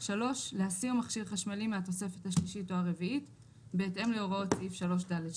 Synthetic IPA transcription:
ʃalo̞ʃlehasiʁmaχʃiʁχaʃmalimeat̪o̞se̞fe̞thaʃliʃitoaʁe̞viit | be̞ːtʔe̞mleoʁao̞t̪sifʃalo̞ʃ̬daled

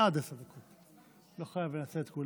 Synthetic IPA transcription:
ad̪esad̪akʰot̪ | loχajavlenat͡set̪kul

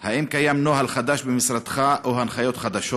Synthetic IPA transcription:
haʔimkajamnoɦalχad̪aʃbemisɾad̪χaʔohanχajo̞t̪χad̪aʃot

